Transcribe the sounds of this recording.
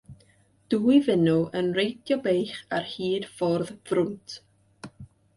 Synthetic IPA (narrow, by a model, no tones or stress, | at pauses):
d̥uːivɪnuʔənrejtʰjɔbejχarhiːd̥fɔrðvrʊntʰ